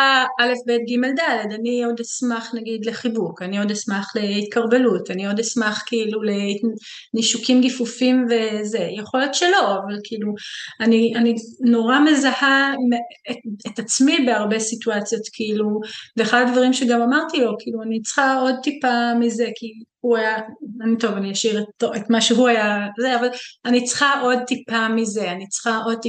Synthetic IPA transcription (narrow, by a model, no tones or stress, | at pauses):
aʔale̞fbet̪ɡime̞ld̪ale̞daniod̪esmaχnaɡid̪le̞χibukanio̞desmaχle̞it̪kaʁbe̞lutanio̞d̪esmaχkiilule̞ | niʃukimɡifufimve̞ze̞jeχo̞letʃelo̞avalkʰiːluanianino̞ʁame̞zahameet̪at͡smibeaʁbe̞situat͡sjo̞tkʰiiluveːχad̪advaʁimʃeɡamamaʁt̪ilo̞kiːluanit͡sχao̞d̪̚t̪ipamize̞kʰihuajaanito̞vanijaʃiʁetoet̪maʃeɦuajazeavalanit͡sχaʔo̞d̪̚t̪ipamize̞anit͡sχaʔo̞d̪̚t̪i